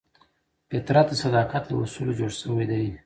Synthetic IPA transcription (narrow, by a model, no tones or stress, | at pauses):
pet̪ɾat̪̚d̪əsad̪ɑqat̪ləwʊsulod͡ʒoɽʃəwad̪aj